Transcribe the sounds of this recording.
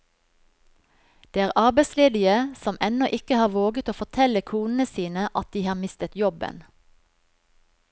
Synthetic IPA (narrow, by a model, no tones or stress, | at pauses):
d̪̥eːæːʁʔɑʁbeɪsleːd̪ɪəsɔmʔɛnɔʔɪkəhɑːʋoːɡət̪oːfɔʁt̪ʰɛləkʰuːnn̩əsiːnəʔɑt̪̚d̪iːhɑːmɪst̪ət̪jɔbə̰n